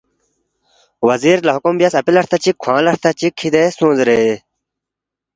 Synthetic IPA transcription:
wɐziːɾlɐɦukumbijasɐpilɐɾt̪ɐt͡ɕikʰwãːlɐɾt̪ʰɐt͡ɕikʰːid̪esõːnzɾe

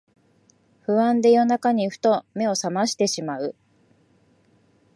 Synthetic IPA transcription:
ɸɯ̟βãnd̪e̞jo̞nakaɲ̟iɸɯ̥t̪o̞me̞o̞samaɕi̥t̪e̞ɕimaɯ̟

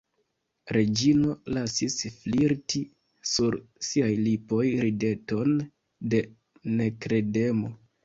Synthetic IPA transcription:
ɾe̞d͡ʒino̞lasisfliɾti | suɾsiajlipo̞jɾide̞to̞n | de̞ | ne̞kɾe̞de̞mo̞

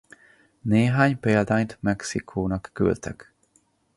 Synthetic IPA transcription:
neːɦaːɲpeːld̪aːɲt̪mɛksikʰoːnɒkːy̰lt̪ʰɛ̰k

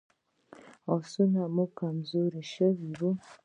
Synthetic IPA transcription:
osunamukamzuɾiʃoβiɾu

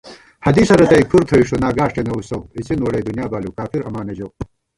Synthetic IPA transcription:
hɐd̪isɐɾɐt̪ɐjkʰuɾt̪ʰɐiʂonaːɡaːʂʈenɐusoit͡sinwɐɽed̪unijaːbaːlukaːfiɾɐmaːnɐd͡ʑow

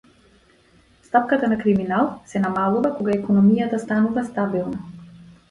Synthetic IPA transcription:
st̪apkat̪anakɾiminalˠsɛnamalˠuvakɔɡaɛkɔnɔmijat̪ast̪anuvast̪abilˠna

